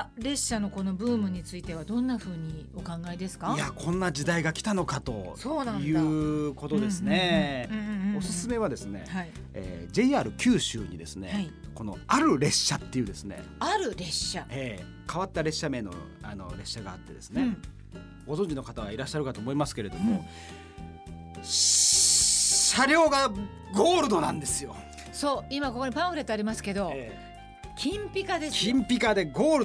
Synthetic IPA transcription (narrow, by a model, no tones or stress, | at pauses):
aɾe̞ɕːano̞ko̞no̞bɯ̟ːmɯ̟ɲ̟it͡sɨit̪e̞β̞ad̪õ̞nːaɸɯ̟ːɲ̟io̞kãŋɡaid̪e̞sɨ̥kajakʰõ̞nːad͡ʑid̪aiɡakʲi̥t̪ano̞kat̪o̞soːnãj̪jɯ̟ːko̞t̪o̞d̪esɨne̞ | o̞sɨsɨme̞β̞ad̪e̞sɨne̞̰hai | ḛːd͡ʑe̞iaːɾɯ̟kʲɨːɕɨ̰ːɲ̟id̪e̞sɨne̞̰aiko̞no̞aɾɯ̟ɾe̞ɕːat̪ːe̞jɯ̟ːd̪e̞sɨne̞̰ | aɾɯ̟ɾe̞ɕae̞ | kaβat̪ːaɾe̞ɕːamẽ̞nːo̞̰ano̞̰ɾe̞ɕːaɡaːt̪ːe̞d̪e̞sɨne̞ | ɡ̥o̞zõ̞ɲ̟d͡ʑino̞kat̪aβaiɾaɕːaɾɯ̟kat̪o̞ːmo̞imasɨ̥ke̞ɾe̞d̪o̞mo | ɕaɾʲo̞ːɡa | ɡo̞ːɾɯ̟d̪o̞nã̰nd̪e̞sɨjo̞ | so̞ːimako̞koɲʲipãɸɯɾe̞t̪ːoaɾʲimasɨ̥ke̞d̪o̞e | kʲʰĩmpʲikad̪ekʲĩmpʲikad̪e̞ɡo̞ːɾɯ